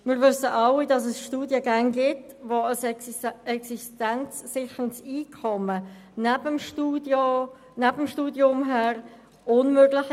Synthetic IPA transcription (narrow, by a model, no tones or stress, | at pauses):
mɪːɾvʏsəʔɑwidɑs̬ɛsʃtuːdjəɡæŋɡɪt | voəsɛksistænt͡sːɪçəəntsiːkʰɔmə | næbəmʃtuːdo | næbəmʃtuːdjʊmɦæɾ | ʔʊnmøɡlɪx